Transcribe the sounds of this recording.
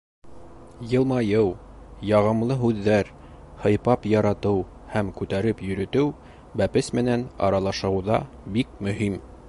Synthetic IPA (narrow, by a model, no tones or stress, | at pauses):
jɤ̆lˠmɑjɤw | jɑʁɤ̆mlˠɤɦʉðːæɾ | hɤ̆jpɑpjɑɾɑt̪ɤw | hæmkʉt̪æɾɘpjɵ̆ɾɵ̆t̪ɘw | bæpɘsmɘ̆nænɑ̰ɾɑlˠɑʃɤ̆wðɑ | bik̚mɵ̆him